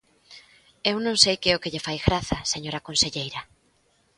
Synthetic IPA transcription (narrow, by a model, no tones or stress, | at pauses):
ewnõŋsejkɛʊkɪʎefajɣɾaθɐseɲoɾɐkõnseʎejɾɐ